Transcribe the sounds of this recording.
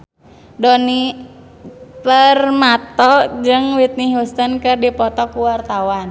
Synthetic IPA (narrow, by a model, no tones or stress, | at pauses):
dɔni | pərmat̪ɔd͡ʒɨŋwit̪̚niust̪ənkɨrdipɔt̪ɔkuwart̪awan